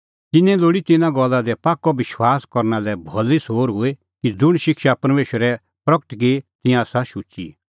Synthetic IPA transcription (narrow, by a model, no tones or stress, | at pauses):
t̪ɪnɛ̃loːɽit̪ɪnãɡɔlːad̪ɛpaːkːɔʋɪʃwaːskɔɾnalɛbʱɔlisoːɾɦʊe | kid͡zʊɽ̃ʃɪkʃapɐɾmeːʃwəɾɛ | pɾɐkəʈɡet̪ɪ̃jãsaʃʊt͡ʃḭ